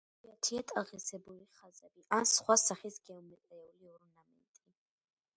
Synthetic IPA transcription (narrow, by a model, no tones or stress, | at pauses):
at̪ʰiat̪ʼaʁisɛbuliχazɛbiʔansχwasaχisɡɛumɛt̪ʼɛɛuliɔɾnamɛ̰nt̪ʼi